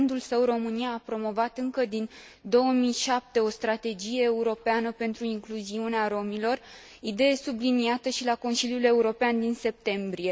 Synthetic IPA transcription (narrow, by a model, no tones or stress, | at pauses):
nd̪ulsəwɾo̞mɨnijaːpɾo̞mo̞vat̪ɨŋkəd̪in | d̪o̞wəmijʃap̚t̪e̞o̞st̪ɾat̪e̞d͡ʒije̞ːuɾo̞peanəpe̞nt̪ɾuiŋkluziuneaɾo̞milo̞r | id̪e̞je̞subliniat̪əʃilako̞nsiljule̞uɾo̞peand̪inse̞p̚t̪e̞mbɾie̞